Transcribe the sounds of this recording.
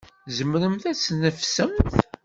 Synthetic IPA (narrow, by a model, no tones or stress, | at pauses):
zəmɾəmθæt͡sːnəfsəmθ